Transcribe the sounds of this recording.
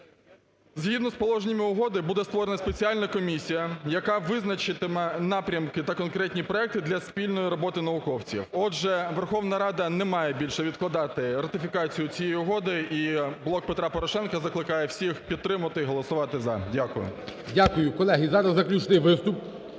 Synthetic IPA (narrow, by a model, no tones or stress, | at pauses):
zɦid̪nɔspɔlˠɔʒnʲɪmʲɪʊɦɔd̪ɪbud̪ɛst̪ʋɔɾenɐspe̞t͡sʲiɑlʲnɐkɔmʲisʲijɐjɐkɑʋɪznɐt͡ʃɪt̪ɪmɛnɑpɾʲɐmkɪt̪ɐkɔnkɾɛt̪ʲnʲipɾɔɛk̚t̪ɪd̪lʲɐspʲilʲnɔjiɾɔbɔt̪ɪnɐʋʊkɔwt͡sʲḭwɔɛʋerxɔʋnɐɾɑd̪ɐnɛmɑjɛbʲilʲʃɛʋʲid̪klˠɐd̪ɑt̪ɪrɐt̪ɪfʲikɑt͡sʲijʊt͡sʲijɛjiʊɦɔd̪ɪiblˠɔk̚pet̪ɾɑpɔɾɔʃɛnkɐzɐklˠɪkɑjɛwsʲixpʲid̪ːɾɪmɐɐt̪ɪiɦɔlˠɔsʊʋɑt̪ɪzɐdʲakʊjʊ̰dʲakʊjʊkɔlˠɛɦizɑɾɐzːɐklʲut͡ʃnɪjʋɪst̪ʊp̚